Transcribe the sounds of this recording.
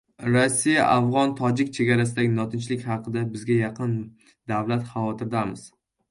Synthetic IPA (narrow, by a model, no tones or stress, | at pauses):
ɾasːijaʔafʁɒnt̪ʰɒd͡ʒɪk̚ʲt͡ʃʰe̞ɡʲaɾasɪd̪aɡʲɪnɒt̪ʰɪnt͡ʃlɪkʲhɑqʰɨd̪abɪzɡʲajɑqʰɨn | d̪avlat̪χɑvɒt̪ʰɪɾd̪amɪz̥